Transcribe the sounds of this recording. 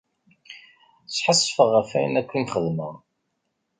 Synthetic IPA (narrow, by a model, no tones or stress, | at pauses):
t͡sːħəsˤːfəʁːæfæ̰jənækʷːimχəðməʁ